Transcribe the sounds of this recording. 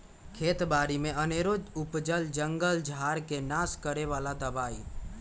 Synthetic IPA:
kʰeːt̪baːɾimẽəneːɾod͡ʒʊpd͡ʒəld͡ʒə̃ŋɡəld͡ʒʱaːɾkenaːskəɾeʋaːlad̪əbaːḭ

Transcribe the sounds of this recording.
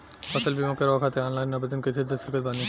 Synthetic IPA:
paselbimokeɾɔkʰat̪eɔnlajnabed̪onket̪ʰed̪eseɾkelbani

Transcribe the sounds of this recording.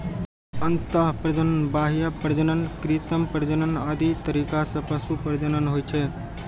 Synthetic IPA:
ənt̪aɦpɾəd͡ʒənənbaɦijapəɾd͡ʒənənkɾit̪əmpəɾd͡ʒənənad̪ʱit̪əɾikasə̃pəsupəɾd͡ʒənənɦojt͡ʃʰɛ

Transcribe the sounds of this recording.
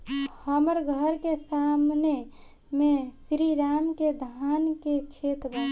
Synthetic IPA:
həməɾɡʱəɾkesamne | mẽsɾiɾaːmked̪ʱankekʰet̪ba

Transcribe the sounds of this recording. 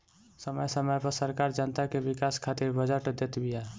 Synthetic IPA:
səməjsəməjpəɾsəɾkaɾd͡ʒənt̪akebikaskʰat̪iɾbəd͡ʒəʈd̪et̪bija

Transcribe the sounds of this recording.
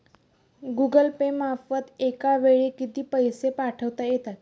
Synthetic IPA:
ɡuɡəlpemafət̪ekaʋeɭikit̪iːpəjsepaʈʰəʋt̪ajet̪at̪

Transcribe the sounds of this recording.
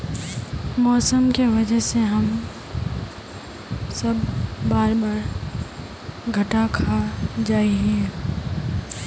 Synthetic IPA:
mɔːsəmkeʋɐd͡ʒəɦseɦɐm | sɐbʱbaːɾbaːɾ | ɡʱɐʈakʰad͡ʒaːiɦɛ̃ː

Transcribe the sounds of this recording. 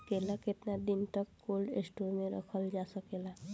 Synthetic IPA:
kelaketnad̪int̪ɔkːolɖḛsʈuɾmeɾə̰kʰəld͡ʒasəkela

